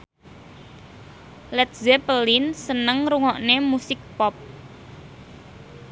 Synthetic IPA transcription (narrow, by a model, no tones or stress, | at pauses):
lɛt̪̚zɛpəlinsənəŋɾuŋɔʔnemusɪk̚pɔp̚